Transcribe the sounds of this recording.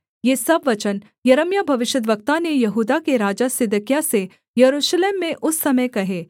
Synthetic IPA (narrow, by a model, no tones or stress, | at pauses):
jeːsɐbʋɐt͡ʃən | jɐɾəmjabʱɐʋɪʃjəd̪ʋək̚t̪anejɐɦuːd̪akeɾaːd͡ʒasɪd̪əkjase | jɐɾuːʃleːmːẽʔʊsːɐməjkɐɦeː